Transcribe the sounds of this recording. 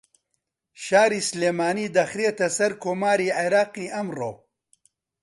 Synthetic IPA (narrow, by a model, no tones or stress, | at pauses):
ʃaːɾiːsleːmaːniːd̪ɐxɾeːt̪ɐsɐɾkʰoːmaːɾiːʕeɾaːqiːʔɐmro̰ː